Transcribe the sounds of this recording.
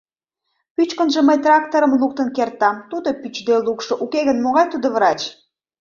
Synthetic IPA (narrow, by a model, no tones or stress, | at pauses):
pyt͡ɕkənʒə̆məjt̪rɑk̚t̪oɾəmluk̚t̪ənkert̪ɑmt̪ud̪opyt͡ɕd̪elukʃoʔukeɣənmoɣɑjt̪ud̪oβɾɑt͡ɕ